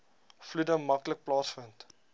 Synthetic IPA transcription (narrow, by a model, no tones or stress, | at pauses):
fludəmɐklək̚plɑːsfənt